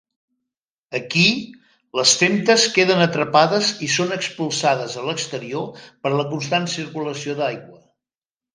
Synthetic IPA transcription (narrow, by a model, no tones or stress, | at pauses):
əki | ləsfemt̪əskeðənət̪ɾəpaðəzisonəkspulˠsað̞əzələkst̪əɾiopəɾləkuns̬t̪ansiɾkuləsioðajɣwə